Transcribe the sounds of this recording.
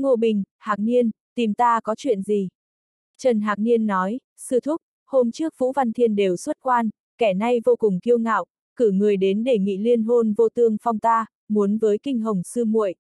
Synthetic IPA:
ŋo˧˩ɓï˨˩ŋ̟haː˨˩k̚ni˧ən | t̪i˨˩mt̪aː˧kɔ˨˦t͡ɕwḭ˧˨ənzi˨˩ | t͡ɕə˨˩nɦaː˨˩k̚ni˧ənːɔ˨˦j | sɨ˧t̪ʰʊ˦˥k͡p̚ | ho˧mt͡ɕɨ˦˥ək̚vṵ˧˥va˧nt̪ʰi˧ənɗe˨˩wswə˦˥t̚kwaː˧n | kɛ˧˩na˧jvo˧kʊ˨˩ŋ͡mki˧əwŋa̰ː˧˨wʔ | kɨ˧˩ŋɨ˨˩əjɗe˨˦nɗe˧˩ŋḭ˧˨li˧ənɦo˧nvo˧t̪ɨ˧əŋfa˧wŋ͡mt̪aː˧ | mu˨˦ənvəː˨˦jkï˧ŋ̟ɦə˨˩wŋ͡msɨ˧mṵ˧˨ə˨jʔ

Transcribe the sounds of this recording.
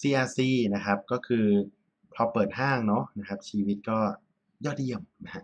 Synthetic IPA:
siː˧˩ʔaː˧siː˥˩na˦˥kʰa˦˥p̚kɔː˥˩kʰɯː˧ | pʰɾɔː˧pɤː˨˩t̪̚ɦaː˥˩ŋnɔ˦˥na˦˥kʰa˦˥p̚t͡ɕʰiː˧wi˦˥t̪̚kɔː˥˩ | jɔː˥˩t̪̚i˧əmna˦˥kʰa˦˥ʔ

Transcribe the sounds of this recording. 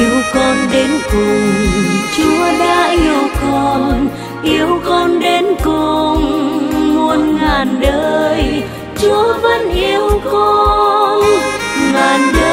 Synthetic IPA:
wkɔ˧nɗe˨˦nkʊ˨˩ŋt͡ɕu˨˦əɗaː˧˥ʔi˧əwkɔ˧nn | ʔi˧˦əwkɔ˧nɗe˨˦nkʊ˨˩ŋː | u˧ənŋaː˨˩nɗəː˧j | t͡ɕu˨˦əvə˧˥nʔi˨˧əwkɔ˧ | ŋaː˨˩nɗəː˧

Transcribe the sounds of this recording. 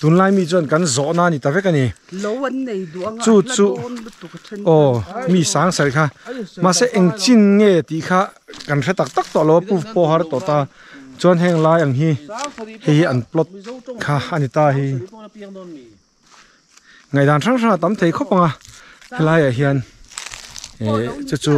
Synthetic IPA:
t̪u˨˦nlaː˧jmi˧˨t͡su˧a˨nkɐ˨˦nzɔ˨ʔnaː˧˨ni˨t̪a˨vɛ˦ka˧ni˨ | t͡su˦˧t͡su˦ | ʔɔː˧mi˧˨saː˨˦ŋsɛ˨rkʰaː˧ma˧˨sɛ˦ʔɛ˧ŋt͡si˥˨nŋɛ˧˩t̪i˨kʰaː˧ | ka˨nrɛ˦˥t̪a˨k̚t̪a˦k̚t̪ɔ˨lɔ˧wa˧pu˧fpɔː˧ɦa˧ɾɛ˥t̪ɔ˨t̪aː˧˨ | t͡su˧˦ɐ˦nɦɛ˧ŋlaː˧˥ja˨ŋɦi˧˦hɛ˧jhi˧ʔa˨nplɔ˧t̪̚kʰaː˧a˨ni˧t̪aː˧ɦi˧ | ŋa˨jd̪a˨nrʰa˥ŋrʰa˥˧ŋa˨t̪a˨˦mt̪ʰe˨jkʰɔ˦˥pa˨ŋa˧˨hi˧laː˦ja˨ɦi˧a˧˨n˨ | t͡su˧t͡su˦

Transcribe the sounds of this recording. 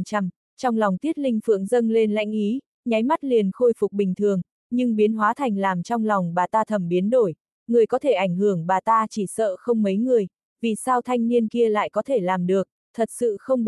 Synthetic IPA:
t͡ɕa˧m | t͡ɕɔ˧wŋ͡mlɔ˨˩wŋ͡mt̪i˦˥ət̚lï˧ŋ̟fɨ̰˧˨əŋzə˧nle˧nla̰˧˥jŋ̟ʔi˨˦ | ɲa˨˦jma˦˥t̚li˨˩ənxo˧jfʊ˨˩k͡p̚ɓï˨˩ŋ̟t̪ʰɨ˨˩əŋ | ɲɨ˧ŋɓi˨˦ənɦwaː˨˦t̪ʰa˨˩jŋ̟laː˨˩mt͡ɕɔ˧wŋ͡mlɔ˨˩wŋ͡mɓaː˨˩t̪aː˧t̪ʰə˨˧˩mɓi˨˦ənɗo˧˩j | ŋɨ˨˩əjkɔ˨˦t̪ʰe˧˩ʔa˧˩jŋ̟hɨ˧˩əŋɓaː˨˩t̪aː˧t͡ɕi˧˩sə̰ː˧˨xə˧wŋ͡mmə˨˦jŋɨ˨˩əj | vi˨˩saː˧wt̪ʰa˧jŋ̟ni˧ənki˧əla̰ː˧˨jkɔ˨˦t̪ʰe˧˩laː˨˩mɗɨ˨˩ək̚t̪ʰə˨˩t̚sɨ̰˧˨xə˧wŋ͡m

